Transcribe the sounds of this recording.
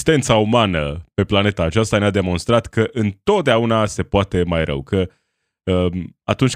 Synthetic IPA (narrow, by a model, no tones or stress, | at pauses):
st̪e̞nt̪saumanəpe̞plane̞t̪aːt͡ʃast̪anead̪e̞mo̞nst̪ɾat̪kəʔɨnt̪o̞t̪̚d̪eaunase̞poat̪e̞majɾʔə̰wkə | əmat̪unt͡ʃʲ